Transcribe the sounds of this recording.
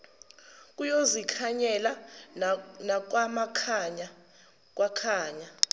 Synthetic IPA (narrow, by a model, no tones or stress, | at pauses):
k̬ʼujozikʰaɲɛla | nak̬wamakʰaɲa | k̬ʼwʔakʰaːɲa